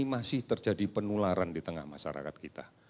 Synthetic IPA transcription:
masɪht̪ərd͡ʒadipənulaɾandit̪əŋahmaʃa̰ɾa̰kat̪̚kit̪a̰

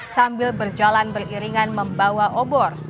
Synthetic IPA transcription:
sambɪlbərd͡ʒalanbəriɾiŋanməmbawaʔobɔr

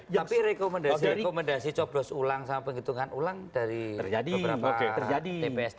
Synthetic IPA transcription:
aiɾekomɛndasekomɛndasit͡ʃɔb̥lɔsulaŋsamapəŋɡit̪uŋanʔulaŋd̥aɾiərd͡ʒadibəəɾaaoeərd͡ʒadiepeɛs

